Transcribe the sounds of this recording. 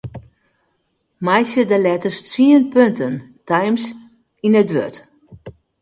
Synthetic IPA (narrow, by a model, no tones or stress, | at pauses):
majsədəlɛtərst͡siənpøntəntajms | inədʋø̰t